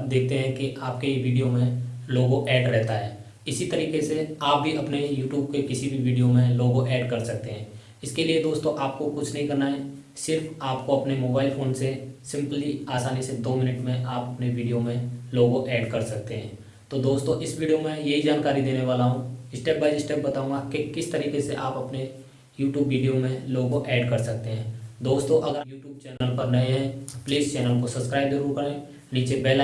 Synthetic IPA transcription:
pd̪eːk̚ʰt̪eɦɛ̃kiʔaːpkeʋiːɖijomẽloːɡõʔɛːɖɾɛɦt̪aɦɛː | ɪsit̪ɐɾiːkeseaːp̚bʱiʔɐpnejuːʈjuːb̚kekɪsibʱiʋiːɖijomẽloːɡõʔɛːɖkɐɾsɐk̚t̪eɦɛ̃ː | ɪskelied̪oːst̪õʔaːp̚kokʊt͡ʃʰnɐɦĩkɐɾnaɦɛ | sɪɾfaːp̚koɐpnemoːbaːɪlfoːnsesɪ̃mpliaːsaːnisɪd̪oːmɪnəʈmẽʔaːpɐpneʋiːɖijomẽloːɡõʔɛːɖkɐɾsɐk̚t̪eɦɛ̃ː | t̪od̪oːst̪õʔɪsʋiːɖijomẽjɐɦid͡ʒaːnkaːɾid̪eːneʋaːlaɦũɪsʈeːp̚baːɪd͡ʒɪsʈeːp̚bɐt̪aːũːŋɡakekɪst̪ɐɾiːkeseʔaːpɐpne | juːʈjuːbʋiːɖijomẽloːɡõʔɛːɖkɐɾsɐk̚t̪eɦɛ̃ːd̪oːst̪õʔɐɡəɾjuːʈjuːb̚t͡ʃɛːnəlpɐɾnɐẽɦɛ̃pliːzt͡ʃɛːnəlkosɐbskɾaːɪbzɐɾuːɾkɐɾẽː | niːt͡ʃebeːla

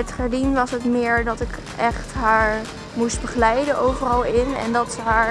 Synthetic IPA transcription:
ətχɛɹdinʋɑsɦətmɪːɹdɑtɪk | ʔɛχtɦaːɹ | must̚bəχəlɛjdənʔowvərɑlˠɪnɛ̰ndɑtsəɦaːɹ

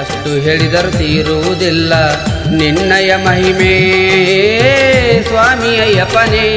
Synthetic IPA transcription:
ɐʂʈuɦeːɭid̪ɐɾut̪iːɾuʋud̪ilːɐniɳːɐjɐmɐɦimeː | sʋaːmijɐjɐpɐneː

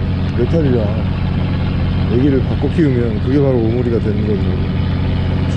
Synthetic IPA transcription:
ɾetʰad͡ʑiɡa | jeɡiɾɯɭpak͈ʌkʰiɯmjʌnkɯɡe̞paɾoːmoɾiɡadwe̞nɯnɡʌɕiʌo

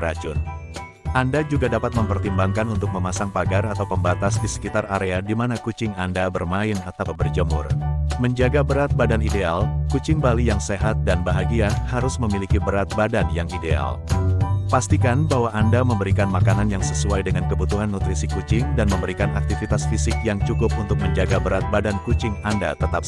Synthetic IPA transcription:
ɾad͡ʒʊn | ʔandad͡ʒuɡadapat̪̚məmpərt̪imbaŋkanunt̪ʊk̚məmasaŋpaɡarat̪awpəmbat̪asdisə̥kit̪araɾeadimanakut͡ʃɪŋandabərmaɪnat̪awbərd͡ʒəmʊ̰rməɲd͡ʒaɡabəɾat̪̚badanidealkut͡ʃɪŋbalijaŋseɦat̪̚danbaɦaɡiahaɾʊsməmilikibəɾat̪̚badanjaŋidea̰l | past̪ikanbaɦwaʔːndaməmbəɾikanmakananjaŋsəsuajdəŋankəbut̪uɦanːut̪ɾisikut͡ʃɪŋdanməmbəɾikanak̚t̪ifit̪asfisɪkjaŋt͡ʃukʊpunt̪ʊk̚məɲd͡ʒaɡabəɾat̪̚badankut͡ʃɪŋanda̰t̪ət̪ap

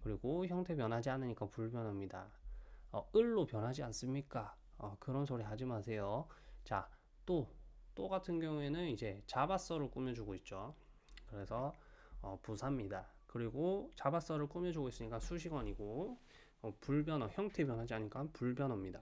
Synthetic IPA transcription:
kɯɾiɡoçjʌŋtʰe̞pjʌnɦad͡ʑianɯɲik͈apuɭbjʌnɦʌmɲida̰ | ʌɯɭːopjʌnɦad͡ʑians͈ɯmɲik͈a | ʌkɯɾʌnsʰoɾiɦad͡ʑimasʰe̞jot͡ɕa | t͈ot͈oɡatʰɯnɡjʌŋue̞nɯnid͡ʑe̞t͡ɕabas͈ʌɾɯɭk͈umjʌd͡ʑuɡoit̚t͡ɕ͈o | kɯɾe̞sʰʌʌpusʰamɲida | kɯɾiɡot͡ɕabas͈ʌɾɯɭk͈umjʌd͡ʑuɡois͈ɯɲik͈asʰuɕʰiɡʌɲiɡo | ʌpuɭbjʌnʌçjʌŋtʰe̞pjʌnɦad͡ʑiaɲik͈anpuɭbjʌnɦʌmɲida

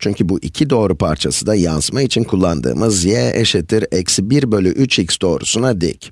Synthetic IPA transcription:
t͡ʃʰyɲcʰybuʔicʰid̪o̞ːɾupʰaɾt͡ʃʰasɯd̪ajansmait͡ʃʰinkʰulˠːand̪ɯ̰ːmɯzjɛʔeʃet̪ʰiɾɛcsbiɾbølʲyʔyt͡ʃicst̪o̞ːɾṵsunad̪ɛ̰c

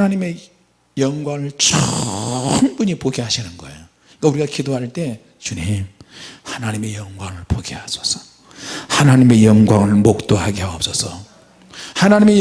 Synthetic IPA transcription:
naɲime̞ | jʌŋɡwaŋɯɭt͡ɕʰʌ | ŋbuɲipoɡiɦaɕʰinɯnɡʌḛjo | kauɾiɡakidoɦaɭt͈e̞ | t͡ɕuɲimhanaɲime̞jʌŋɡwaŋɯɭpoɡehasʰʌ̥sʰʌ̥ | hanaɲime̞jʌŋɡwaŋɯɭmok̚t͈oɦaɡiɦaʌp̚s͈ʌsʰʌ | hanaɲime̞j

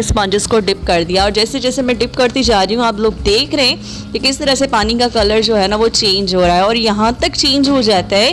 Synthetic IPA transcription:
ɪspɐ̃ːɲd͡ʒɪzkoɖɪp̚kɐɾd̪ijaɔːɾd͡ʒɛːsed͡ʒɛːsemɛ̃ɖɪpkɐɾt̪id͡ʒaːɾiɦũaːploːɡd̪eːkʰɾɐɦɛ̃ː | t̪ekɪst̪ɐɾəsepaːnikakɐləɾd͡ʒoːɦɛːnaʋot͡ʃẽːɲd͡ʒɦoːɾaːɦɛɔːɾjɐɦãt̪ɐkt͡ʃẽːnd͡ʒɦod͡ʒaːt̪aɦɛː

